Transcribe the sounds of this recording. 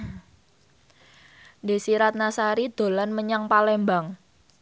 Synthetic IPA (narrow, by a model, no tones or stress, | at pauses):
nde̤siɾat̪̚nasaɾid̪̥o̤lanməɲaŋpalɛmbaŋ